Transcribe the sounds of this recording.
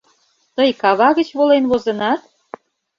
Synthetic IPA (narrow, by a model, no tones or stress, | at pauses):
t̪əjkɑβɑɣə̆t͡ɕβolenβozenɑt̪̚